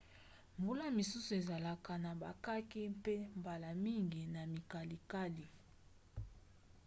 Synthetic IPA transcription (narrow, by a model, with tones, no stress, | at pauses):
mbu˦la˦mi˨su˦su˨e˨za˨la˨ka˨na˨ba̰˨ka˦ki˦pe˦mba˨la˨mi˦ŋɡi˨na˨mi˨ka˨li˨ka˦li˨